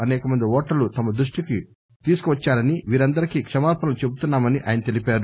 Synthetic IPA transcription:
ɐnɛːkɐmɐnd̪iɔːʈːɐlut̪ɐmɐd̪ɾuʂʈiki | t̪iːsu̥kuʋɐt͡ʃːaːɾɐniʋiːɾɐnd̪ɐɾikikʂɐmaːɾpɐnɐlut͡ʃe̞but̪unːaːmɐniʔa̰ːjɐnɐt̪e̞lipaːɾu

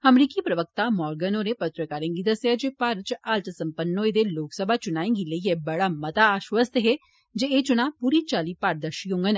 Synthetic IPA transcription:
ɐmɾiːkipɾəʋək̚t̪amɔːɾɡənoːɾepət̪ɾəkaːɾẽːŋɡid̪əsjad͡ʒeːpaɾt͡ʃaːlt̪sə̃mpənːoːed̪eloːksəbʱat͡ʃʊnaːẽŋɡiləiebɐɽaːmɐt̪aːʃʋəst̪ɦe | d͡ʒeeːt͡ʃʊɽ̃aːpuːɾit͡ʃaːliːpaːɾd̪əʃiɦʊ̃ŋɡən

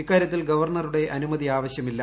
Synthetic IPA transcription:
ikːaːɾjɐt̪ːilɡɐʋɐrɳɐruɽe̞ʔɐnumɐd̪ðiaːʋɐɕjɐmilːɐ

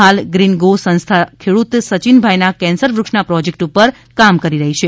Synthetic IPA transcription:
alɡɾinɡosə̃ñst̪ʰakʰeɽut̪sət͡ʃinbʱajnakɛ̃nsəɾʋɾukʂnapɾɔd͡ʒek̚ʈupəɾ | kamkəɾiɾəɦit͡ʃʰe

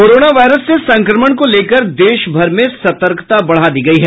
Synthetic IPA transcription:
koːɾoːnaʋaːɪɾəsːesɐ̃ŋkɾəməɳ̃koleːkəɾd̪eːʃbʱɐɾmẽsɐt̪əɾkt̪abɐɽ̤ad̪iːɡɐiɦɛː

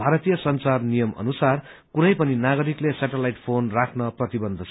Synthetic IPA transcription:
bʱaɾʌt̪ijʌsʌnt͡sarnijʌmʌ̰nusar | kunʌjpʌninaɡʌɾiklesaʈelajʈpʰonrakʰnʌprʌt̪ibʌnd̪ʱʌt͡sʰ

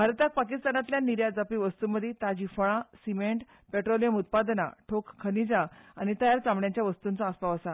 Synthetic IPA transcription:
bʱaɾt̪ak̚pakist̪anat̪ljaniɾjad͡zapiʋəst̪uməd̪ʱːit̪ad͡ʑifəɭ̃ãsimeɳʈ | peʈɾolijəmut̪̚pad̪na̰ʈʰokkʰːənid͡zaañit̪əjaɾt͡samɳjaɲt͡ɕjaʋəst̪unt͡sɔəspaʋəsa

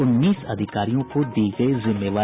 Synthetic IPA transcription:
ʊnːiːsɐd̪ʱɪkaːɾijõkod̪iːɡɐizɪmːeːʋaː

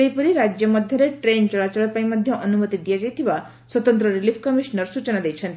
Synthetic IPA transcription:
ejpuɾiɾad͡ʒjɔmʌd̪ʱjɔɾeʈɾent͡ʃɔɭat͡ʃɔɭɔpaĩmad̪ʱjɔʔʌnumət̪id̪ijad͡ʒajt̪ʰiʋa | swɔt̪ɔnt̪ɾɔɾilipʰkʌmiʃnəɾsut͡ʃɔnad̪ejt͡ʃʰʌnt̪

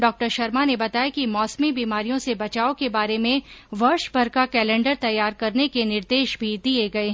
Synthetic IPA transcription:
ɖɔːk̚ʈəɾʃɐɾmanebɐt̪aːjakimɔːsmibiːmaːɾijõsebɐt͡ʃaːokebaːɾemẽʋɐɾʃbɐɾkakɛːlɛ̃ːɳɖəɾt̪ɐjːaːɾkɐɾnekenɪɾd̪eːʃbʱid̪ieɡɐe

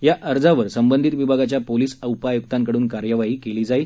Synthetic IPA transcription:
jaʔəɾd͡zaʋəɾsəmbənd̪ʱit̪ʋibʱaɡat͡ɕjapoliːsəwpajuk̚t̪aŋkəɽuːnkaɾjəʋaɦiːkeliːd͡zaiː

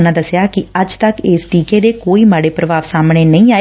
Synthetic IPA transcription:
nãːd̪əsjaːkɪəd͡ʒt̪əkeːsʈiːkeːd̪eːkoːiːmaːɽeːpɾəʋaːʋsaːmɳeːnəĩːaːe

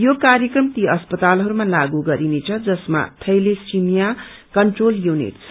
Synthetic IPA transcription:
jokaɾjekrʌmt̪iʌspʌt̪alɦʌɾumalaɡuɡʌɾinet͡sʰʌd͡zʌsma̰t̪ʰʌjlesimija | kʌɳʈroljunḭʈsʰ

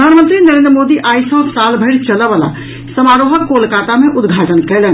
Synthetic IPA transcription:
d̪ʱaːnmənt̪ɾinəɾẽnd̪ɾəmod̪iʔaːisə̃salbʱəɪɾt͡ʃələʋala̰ | səmaɾoɦəkːolkat̪amẽʔʊd̪ɡʱaʈənkɛlən

